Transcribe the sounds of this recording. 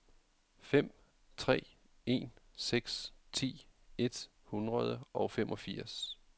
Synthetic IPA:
fem̰ | t͡sʰʁɛ̰ː | e̝̰ːnseɡ̥st͡sʰḭːe̝d̥ | hunʁɐð̞ˠəʔɒ̽ʊfemʔɒ̽fiɐ̰s

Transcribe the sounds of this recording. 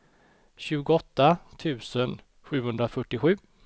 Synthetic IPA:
ɕʉ̟ːɡʊɔt̪ːat̪ʰʉ̟ːsən | ɧʉ̟ːhɵnd̪ɾafœʈːɪɧʉ̟ː

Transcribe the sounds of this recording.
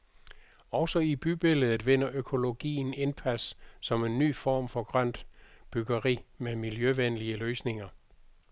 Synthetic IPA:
ɒ̽ʊsɒib̥yb̥e̝lð̩ˠʋe̝n̰ɐʔøkʰo̝lo̝ɡ̥ḭːn̩e̝npʰæssɒ̽me̝nːy̰ːfɒ̰ːmfɒ̽ɡ̥ʁɶn̰d̥b̥yɡ̥ɐʁḭːmemiljøʋenliəløːsne̝ŋɐ

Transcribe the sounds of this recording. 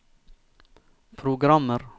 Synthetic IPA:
pʰɾʊɡɾɑməɾ

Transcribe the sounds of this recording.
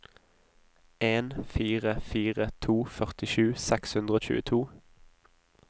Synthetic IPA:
eːnfiːʁəfiːʁət̪ʰuːfœʁt̪ɪʃʉːsɛkshʉnd̪ʁəoːc͡çʉ̰ːə̰t̪ʰuː

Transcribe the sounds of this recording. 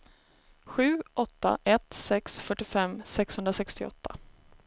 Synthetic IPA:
ɧʉ̟ːʔɔt̪ːa̰ʔɛt̪sɛksfœʈːɪfɛmsɛkshɵnd̪ɾasɛkst̪ɪɔ̰t̪ʰːa

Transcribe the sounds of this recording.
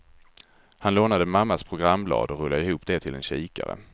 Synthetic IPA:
hanloːnad̪əmamːaspʰɾʊɡɾamːblɑ̰ːd̪ɔɾɵlːaɪhuːpd̪ɛt̪ʰɪlɛnɕiːka̰ɾə̰

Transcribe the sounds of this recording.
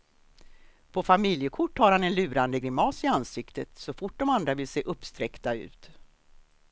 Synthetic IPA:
pʰɔfamɪljəkʰʊʈːhaɾhanɛnlʉ̟ːɾand̪əɡɾɪmːɑːsɪansɪkt̪ət̪sɔfʊʈ̚ːdɔmand̪ɾavɪlseːʔɵpːst̪ɾɛkt̪aʉ̟̰ːt̪

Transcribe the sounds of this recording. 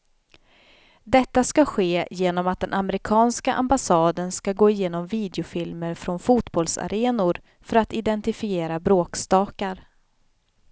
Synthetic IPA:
d̪ɛt̪ːaskaɧeːjeːnɔmat̪̚d̪ɛnʔamɛɾɪkʰɑːnskaʔa̰mbasɑːd̪ənskaɡoːɪjeːnɔmviːd̪ɛʊfɪlməɾfɾɔnfuːt̪bɔlsa̰ɾeːnʊɾ | fœɾat̪ɪd̪ɛnt̪ɪfɪeːɾabɾoːkst̪ɑːkaɾ

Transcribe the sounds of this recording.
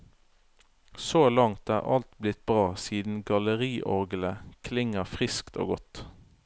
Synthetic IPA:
soːlɑŋt̪æ̰ːʁɑ̰lt̪blɪt̪̚bʁɑːsiːd̪n̩ɡɑləʁiːʔɔʁɡləkʰlɪŋəfʁɪskt̪ʰo̰ːɡɔt̪

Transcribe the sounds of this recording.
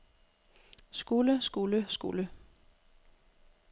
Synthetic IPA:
sɡ̥uləsɡ̥uləsɡ̥ṵlə

